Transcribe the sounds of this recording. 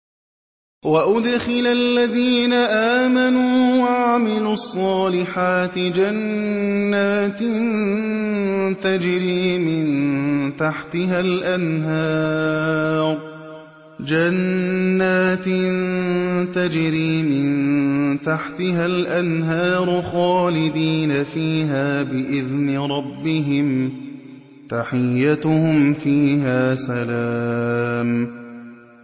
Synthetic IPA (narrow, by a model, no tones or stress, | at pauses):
waʔʊd̪xɪlaalːaðiːnaʔaːmanuːwaʕamɪluɑsˤːɑːlɪħaːt̪ɪd͡ʒanː | aːt̪ | t̪ad͡ʒɾiːmɪnt̪aħt̪ɪɦalʔanɦaː | ɾ | d͡ʒanːaːt̪nt̪ad͡ʒɾiːmɪnt̪aħt̪ɪɦalʔanɦaːɾˤxɑːlɪd̪iːnafiːɦaːbɪʔɪðnɪɾˤɑbːɪɦɪm | t̪aħɪjːat̪ʊhʊmfiːɦaːsalaːm